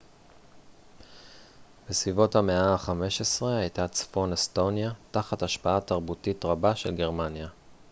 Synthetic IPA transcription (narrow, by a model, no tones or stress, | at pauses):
besvivo̞thame̞aːχame̞ʃesʁe̞ajtat͡sfo̞nesto̞njataχataʃpaataʁbutitʁabaʃelɡe̞ʁmanja